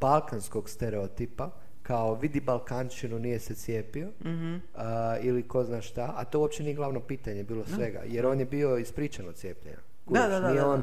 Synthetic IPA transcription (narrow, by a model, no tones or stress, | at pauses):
balˠkansko̞ɡst̪eɾeot̪ipa | kaoʋid̪ibalˠkant͡ʃinunije̞set̪sjeːpio̞ | iliko̞znaːʃt̪aʔat̪o̞uop̚t͡ʃe̞nije̞ɡlˠaʋnopiːt̪aɲe̞biːlosʋe̞ɡa̰jeɾo̞ːnjebio̞ispɾiːt͡ʃanot̪sje̞ːpʎḛɲa̰ | kunijeoːn